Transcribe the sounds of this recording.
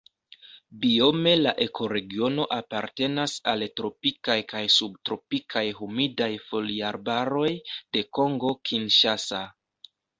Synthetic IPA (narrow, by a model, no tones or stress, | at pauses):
bio̞me̞laʔe̞kʰo̞ɾe̞ɡio̞no̞ʔapaɾte̞nasaltɾo̞pikajkajsubtɾo̞pikʰajɦumidajfo̞liaɾbaɾo̞jd̥e̞ko̞ŋɡo̞kʰinʃasa